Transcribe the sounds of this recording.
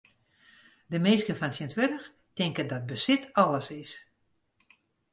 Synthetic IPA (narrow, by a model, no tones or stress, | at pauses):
dəmeːskənfɔnsintʋɛrəx | tɪŋkəndɔt̚bəsɪtɔlˠəsɪs